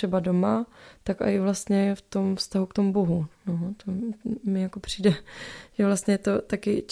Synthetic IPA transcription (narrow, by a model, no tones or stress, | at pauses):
ɛbado̞mat̪aka̰ɪvlast̪ɲɛft̪o̞mfst̪aɦukt̪omubo̞ɦunot̪omɪjako̞pr̝̥iːdɛʒ̥ɛvlast̪ɲɛt̪o̞t̪akɪt͡ʃ